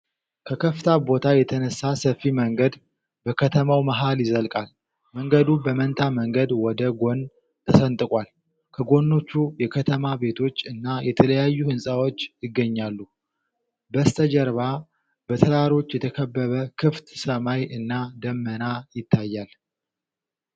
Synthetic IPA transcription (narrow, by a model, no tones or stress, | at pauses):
kʰəkʰəft̪ʰabo̞t̪ʰajɛt̪ʰənəsːasəfːiməŋɡəd̪ | bəkʰət̪ʰəmawmaɦaljɪzəlkʼal | məŋɡəd̪ubəmənt̪ʰaməŋɡəd̪wɔd̪əɡo̞n | t̪ʰəsənt̪ʼɨkʼal | kʰəɡo̞nːo̞t͡ʃːujɛkʰət̪ʰəmabe̞t̪ʰo̞t͡ʃːɨnːajɛt̪ʰələjajːuhɨnsʼawot͡ʃːjɪɡːəɲːalːu | bəst̪ʰəd͡ʒəɾβa | b̥ət̪ʰəɾaɾo̞t͡ʃːjɛt̪ʰəkʰəbːəβəkʰɨft̪səmajʔɨnːad̪əmːənajɪt̪ʰːajːal